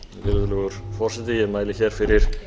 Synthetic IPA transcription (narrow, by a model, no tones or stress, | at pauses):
vɪɾʏðlɛɣʏɾ̥fɔr̥sɛt̪ɪjɛmaːjlɪçɛɾ̥fɪɾɪɾ̥